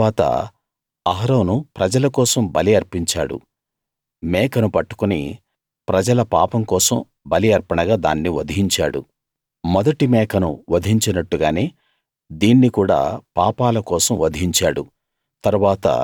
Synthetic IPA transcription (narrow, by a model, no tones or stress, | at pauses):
aːt̪ɐ̰ | ɐɦɐɾɐːnupɾɐd͡ʒɐlɐkɔːsɐmbɐliɐɾpiɲt͡ʃa̰ːɽṵ | mɛːkɐnupɐʈːu̥kunḭ | pɾɐd͡ʒɐlɐpa̰ːpɐmkɔːsɐm | bɐliɐɾpɐɳɐɡaːd̪a̰ːnːiʋɐd̪ʱiɦiɲt͡ʃaːɽṵ | mɔd̪ɐʈimɛːkɐnṵʋɐd̪ʱiɲt͡ʃɐnɐʈːuɡaːneː | d̪iːnːikuːɽa̰ːpaːpaːlɐkɔːsɐmʋɐd̪ʱiɲt͡ʃaːɽu | t̪ɐɾuʋaːt̪ɐ̰